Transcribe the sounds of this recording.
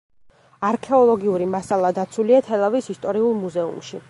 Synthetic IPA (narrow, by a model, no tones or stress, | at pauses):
aɾkʰɛɔlˠɔɡiuɾimasalˠad̪at̪sʰwuliat̪ʰɛlˠavisist̪ʼɔɾiulˠmuzɛṵmʃi